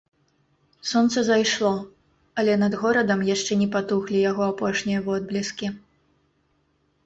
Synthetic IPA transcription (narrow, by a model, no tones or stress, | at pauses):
sɔnt̪sɐzajʂlˠɔ | ɐlʲɛnɐd̪ɣɔɾɐd̪ɐmjaʂt͡ʂɛnʲɛpat̪uxlʲijaɣɔapɔʂnʲijɐvɔd̪̚blʲiskʲi